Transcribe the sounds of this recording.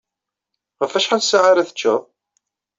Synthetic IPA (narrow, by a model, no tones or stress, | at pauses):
ʁəfæʃħalsaʕaɾæθə̥t͡ʃːə̰